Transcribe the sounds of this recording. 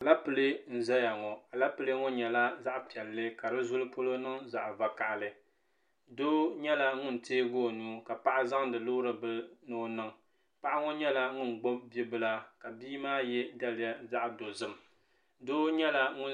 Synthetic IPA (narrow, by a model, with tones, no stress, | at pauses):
a˨la˦pɨ˨lɨ˦n̩˨zɛ˦ja˨ŋɔ˨a˨la˦pɨ˦lɨ˦ŋɔ˦ɲɛ˨la˦za˦ʔpɛ˨lːɨ˦ka˨dɨ˦zʊ˦lɨ˦po˦lo˦nɨ˦ŋza̰˨ʔva˨ka˨ʔlɨ˦ | doː˦ɲɛ˦la˦ŋʊ˦n̩˨teː˦ɡoː˦˨nuː˦ka˨pa˦ʔa˦za˦ŋdɨ˨loː˦ɾɨ˨bɨ˦noː˦nɨ˦ŋ | pa˦ʔa˦ŋɔ˦ɲɛ˦la˦ŋʊ˦n̩˨ɡ͡bo˦mbi˦bɨ˦la˦ka˨biː˦maː˦jɛ˦da˦lɪ˦ja˦za˦ʔdo˨zɨ˦m˨ | doː˦ɲɛ˦la˦ŋʊ˦